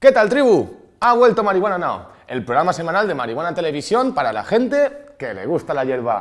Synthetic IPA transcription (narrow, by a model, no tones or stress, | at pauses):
ke̞t̪alt̪ɾiβu | aβ̞we̞lt̪omaɾiɣwananao̰ | e̞lpɾoɣɾamasemãnald̪e̞maɾiɣwanat̪e̞le̞β̞isjo̞mpaɾala̰xe̞nt̪e̞ke̞le̞̰ɣ̞ust̪alaʝe̞ɾβa̰